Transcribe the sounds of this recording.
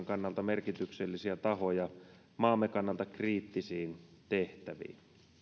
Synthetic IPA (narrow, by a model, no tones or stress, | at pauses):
ŋkɑnːɑlt̪ɑmerkit̪ykselːisiæt̪ɑɦo̞jɑ | mɑːmːekɑnːɑlt̪ɑkriːt̪ːisiːnt̪eht̪æʋḭːn